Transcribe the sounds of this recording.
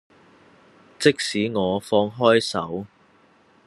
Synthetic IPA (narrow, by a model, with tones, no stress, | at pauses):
t͡sɪ˥k̚siː˨˥ŋɔː˨˧fɔː˧ŋɦɔː˥jsɐ̰˨˥w